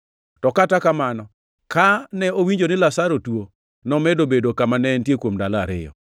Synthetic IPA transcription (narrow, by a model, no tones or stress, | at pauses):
tɔkatakamanɔ | kanɛowiɲd͡ʒonɪlasaɾotwo | nɔmɛdobedokamanɛntjekwomdalaɾɪ̰jɔ̰